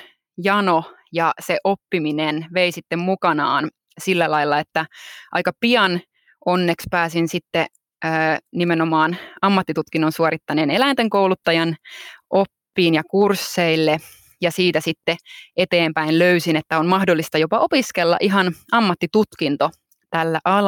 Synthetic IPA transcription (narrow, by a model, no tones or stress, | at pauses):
jɑno | jɑseʔopːiminenʋe̞isit̪ːemmukɑnɑːn | silːælɑilːɑet̪ːæʔɑ̰jkɑpiɑn | ʔo̞nːekspæːsinsit̪ːe | əːnimenomɑːnɑmːɑt̪ːit̪ut̪kinːonsuoɾit̪ːɑnenelæint̪eŋkowlut̪ːɑjɑnʔopːiːnjɑkursːeilːe | jɑsiːt̪æsit̪ːee̞t̪eːmpæinløysinet̪ːæonmɑhdolːist̪ɑjopɑʔo̞piskelːɑ̰ʔiɦɑnɑmːɑt̪ːit̪ut̪kint̪o | t̪ælːæʔɑl